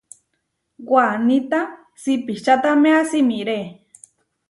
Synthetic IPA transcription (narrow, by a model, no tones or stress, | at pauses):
ɡwanit̪a | sipit͡ʃat̪amẽasimiɾe